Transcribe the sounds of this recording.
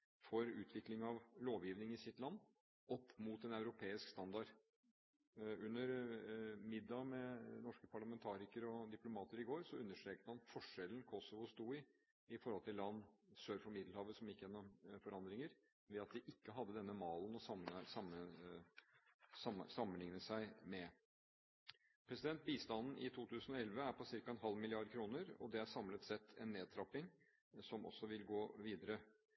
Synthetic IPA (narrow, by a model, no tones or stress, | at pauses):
fɔɾʉːt̪ʰʋɪklɪŋɑʋloːʋjiːʋnɪŋɪsɪt̪lɑnː | ɔpːmut̪ɛnæʉɾʊpʰeːɪskst̪ɑnd̪ɑɖ | ʉnːəɾ | mɪd̪ːɑmɛnɔʂkəpʰɑɭɑmɛnt̪ʰɑːɾɪkəɾɔd̪ɪplʊmɑːt̪əɾɪɡoːɾsɔʉnːəʂʈtɾeːk̚t̪əmɑnfɔʂɛlən̩kʰɔsɔʋʊst̪uːɪ | ɪfɔɾhɔlt̪ɪlːɑnːsøːɾfɔɾmɪd̪l̩hɑːʋəsɔmjɪkːəjɛnːɔmfɔɾɑnd̪ɾɪŋəɾ | ʋɛɑt̪̚d̪ɪʔɪkːəɦɑd̪ːəd̪ɛnːəmɑːlnɔsɑmsɑmə | sɑsɑmːənlɪŋnəsæɪmɛ | pʰɾɛsɪd̪ɛnt̪̚biːst̪ɑnn̩ʔɪt̪ʰuːt̪ʰʉːsən̩ɔɛlʋəæɾpʰɔsɪɾkɑɛnɦɑlːmɪlɪɑɾd̪kʰɾuːnəɾɔ̰d̪ɛæɾsɑmlət̪sɛt̪ʰːɛ̰nːeːd̪̚t̪ʰɾɑpːɪŋ | sɔmʔɔ̰sːɔʋɪlɡoːʋiːd̪əɾə